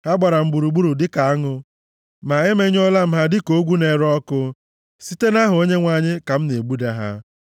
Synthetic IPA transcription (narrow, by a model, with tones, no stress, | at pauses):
ha˦ɡ͡ba˨ɾa˨m̩˦ɡ͡bu˨ɾu˨ɡ͡bu˦ɾu˨dɪ˦ka˨a˦ŋʊ˦ | ma˨e˦me˦ɲ˦ɔ˦la˦m̩˦ɦa˦dɪ˦ko˦ɡʷu˦ne˨ɾɔ˦kʊ˦ | si˦te˦na˦ɦʊ˨o˦ɲe˦ŋʷa˨ɲɪ˦ka˨m̩˦ne˨ɡ͡bu˦da˦ɦa̰˦